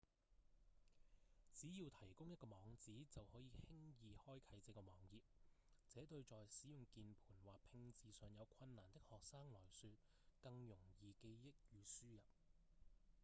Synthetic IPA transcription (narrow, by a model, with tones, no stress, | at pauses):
t͡siː˨˥jiː˧wt̪ʰɐ˨˩jkʊ˥ŋjɐ˥t̚kɔː˧mɔː˨˧ŋt͡siː˨˥t͡sɐ˨whɔː˨˥jiː˨˧hɪ˥ŋjiː˨hɔː˥jkʰɐ˨˥jt͡sɛː˨˥kɔː˧mɔː˨˧ŋjiː˨p̚t͡sɛː˨˥t̪ɵ˧ɥt͡sɔː˨jsiː˨˥jʊ˨ŋkiː˨npʰu̥ː˨˩nwaː˨˩k̚pʰɪ˧ŋt͡siː˨˧sœː˨˧ŋjɐ˨˧wkʷʰɐ˧nːaː˨˩nt̪ɪ˥k̚hɔː˨k̚saː˥ŋlɔː˨˩jsyː˧t̚ | kɐ˧ŋjʊ˨˩ŋjiː˨˧ke˧jjɪ˥k̚jyː˨˧syː˥jɐ˨p̚